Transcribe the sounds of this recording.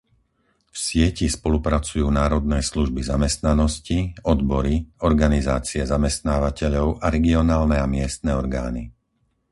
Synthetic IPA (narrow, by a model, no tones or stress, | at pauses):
fsɪɛcispɔlupɾat͡sujuːnaːɾɔd̪nɛːsluʒbizamɛst̪nanɔsciɔd̪bɔɾiɔɾɡanizaːt͡siɛzamɛst̪naːʋacɛʎɔʊʔaɾɛɡiɔnaːlnɛamɪɛst̪̚nɛːɔɾɡaːni